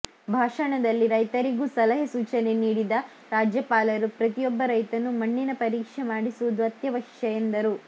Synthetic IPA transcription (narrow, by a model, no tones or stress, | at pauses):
bʱaːʂɐɳɐd̪ɐlːiɾɐjt̪ɐɾiɡusɐlɐɦɐsuːt͡ʃɐne̞niːɽid̪ɐ | ɾaːd͡ʒjɐpaːlɐɾupɾɐt̪ijɔbːɐɾɐjt̪ɐnumɐɳːinɐpɐɾiːkʂemaːɽisuʋud̪uɐt̪jɐʋɐʂjɐend̪ɐɾu